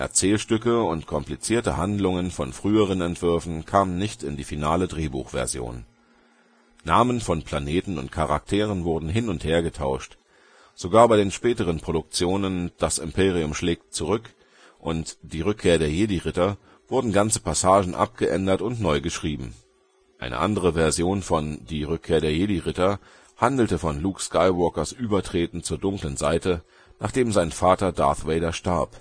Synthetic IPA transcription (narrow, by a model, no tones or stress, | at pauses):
ʔɛ̰ɐt͡sɛːlʃtʏkəʊntkʰɔmplit͡siːɐtəhandlʊŋənfɔnfʁ̥yːəʁ̞ənɛntv̥ʏɐfn̩kʰaːmənːɪçtɪndiːfinaːlədʁeːbṵːxv̥ɛ̰ɐzjo̰ːn | aːmənfɔnpʰl̥aneːtn̩ʊ̰ntkʰaʁa̰k̚tʰeːʁ̞ənvʊɐdn̩ɦɪnʊntheːɐɡətʰa̰ʊʃt | z̥oɡaːɐbaɪɾeːnʃpɛːtəʁ̞ənpʁ̥oɾʊk̚t͡sjoːnənd̥asɪmpʰeːʁ̞iʊmʃlɛːk̚tt͡suʁ̞ʏk | ʔʊntd̥iːʁʏkʰːeːɐɾeːɐjeːdiʁɪtɐ | v̥ʊɐdn̩ɡant͡sə̥pʰasaːʒn̩ʔa̰p̚ɡ̥əʔɛ̰ndɐtʊntnɔʏɡəʃʁ̥iːbm̩ | ʔa̰ɪnʔə̰ʔa̰ndəʁ̞əvɛɐzjoːnfɔndiːʁʏkʰːeːɐdeːɐjeːdiʁɪtɐ | handl̩təfɔnluːkskaɪvɔɐkɐsʔyːbɐtʁ̥eːtn̩t͡suːɐdʊŋklənzaɪtə | naːχd̥eːmzaɪnfaːtɐda̰ɐθveɪdaʃtaɐp